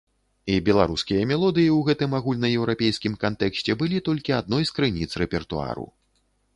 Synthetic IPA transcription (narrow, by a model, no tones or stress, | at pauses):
ibʲɛlˠaɾuskʲijɐmʲɛlˠɔd̪ɨjiwɣɛt̪ɨmaɣulʲnɐjɛwɾapʲejskʲimkant̪ɛksʲt͡sʲɛbɨlʲit̪ɔlʲkʲiad̪̚nɔjskɾɨnʲit̪srɛpʲɛrt̪ua̰ɾṵ